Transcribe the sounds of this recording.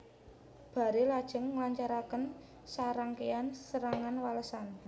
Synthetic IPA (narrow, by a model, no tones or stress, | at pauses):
b̥a̤ɾelad̥ʒ̥ə̤ŋməlaɲt͡ʃaɾakən | saɾaŋkeansəɾaŋanwaləsan